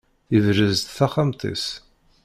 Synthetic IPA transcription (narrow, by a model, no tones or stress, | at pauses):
ivɾəzt̪θaχamt̪ˤḭs